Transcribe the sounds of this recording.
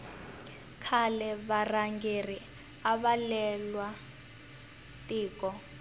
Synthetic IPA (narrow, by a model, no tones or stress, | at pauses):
kʰalɛβaraŋɡeri | aβalɛlwa | tʼiːkɔ